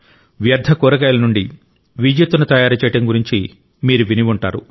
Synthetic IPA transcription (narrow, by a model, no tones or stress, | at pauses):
ʋjɐɾd̪ʱɐkɔːɾɐɡɐːjɐlɐnuɳɖi | ʋid͡ʒjɐt̪ːunɐt̪ɐjaːɾɐt͡ʃɛːjɐʈɐŋɡuɾiɲt͡ʃi | miːɾuʋiniʋuɳʈaːɾu